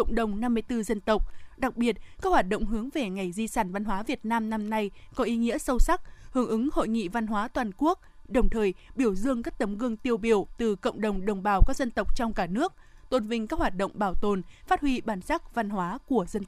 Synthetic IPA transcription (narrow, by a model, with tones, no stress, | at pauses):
wŋ͡mɗə˨˩wŋ͡mna˧mːɨ˧əjt̪ɨ˧zə˧nt̪ə˨˩wk͡p̚ɗa˨˩k̚ɓi˨˩ət̚kaː˦˥k̚hwaː˨˩t̚ɗə̰˧˨wŋ͡mɦɨ˨˦əŋve˨˩ŋa˨˩jzi˧saː˧˩nva˧nhwaː˨˦vi˨˩ət̚naː˧mna˧mna˧jkɔ˨˦ʔi˨˦ŋḭ˧˥əsə˧wsa˦˥k̚hɨ˨˦əŋʔɨ˨˦ŋho̰˧˨jŋḭ˧˨va˧nɦwaː˨˦t̪waː˨˩nku˦˥ək̚ɗə˨˩wŋ͡mt̪ʰəː˨˩jɓi˧˩əwzɨ˧əŋkaː˦˥k̚t̪ə˨˦mɣɨ˧əŋt̪i˧əwɓi˧˩əwt̪ɨ˨˩kə̰˧˨wŋ͡mɗə˨˩wŋ͡mɗə˨˩wŋ͡mɓaː˨˩wkaː˦˥k̚zə˧nt̪ə˨˩wk͡p̚t͡ɕɔ˧wŋ͡mkaː˧˩nɨ˦˥ək̚t̪o˧˩nvï˧ŋ̟kaː˦˥k̚hwaː˨˩t̚ɗə̰˧˨wŋ͡mɓaː˧˩wt̪o˨˩nfaː˦˥t̚hwi˧ɓaː˨˩nsa˦˥k̚va˧nɦwaː˨˦ku˧˩əzə˧n